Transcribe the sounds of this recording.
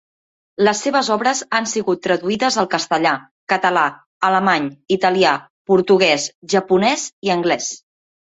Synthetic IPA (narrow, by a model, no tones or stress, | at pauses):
ləsːeβəzɔβɾəzansiɣut̪ːɾəðuiðəzəlˠkəst̪əʎa | kət̪əla | ələmaɲit̪əlia | puɾt̪uɣ̞ɛsʒəpunɛziəŋɡlɛs